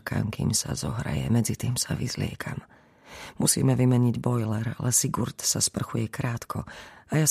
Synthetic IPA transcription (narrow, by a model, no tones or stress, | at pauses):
ka̰mkḭːmsa̰zɔɦɾa̰jɛmɛd͡zit̪iːmsaʋḭzlɪɛkʰam | musḭːmɛʋimɛɲiɟbɔjlɛɾalɛsiɡuɾt̪saspr̩xujɛkɾaːt̪kʰɔajas